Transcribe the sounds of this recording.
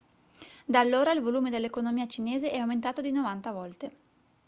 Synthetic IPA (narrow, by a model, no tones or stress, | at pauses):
d̪aːlːoːɾailvoluːmed̪elːekonomiːat͡ʃineːzeʔɛawment̪aːt̪od̪inovant̪avɔlt̪e